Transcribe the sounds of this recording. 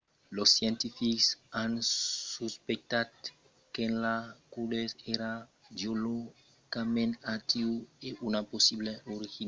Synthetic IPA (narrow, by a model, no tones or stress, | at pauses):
losjɛ̃nt̪ifiksãnsuspek̚t̪at̪̚ | kẽnlakuleseɾa | d͡ʒolo | kamẽnat̪iweunaposibleʔoɾixin